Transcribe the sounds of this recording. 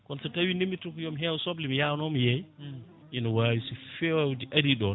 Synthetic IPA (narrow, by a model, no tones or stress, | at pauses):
kɔnsɛtawindimːitukujɔmɦɛwsɔblimjanɔmjɛj | ʔinɔwawisifewdiʔaɾiɗɔn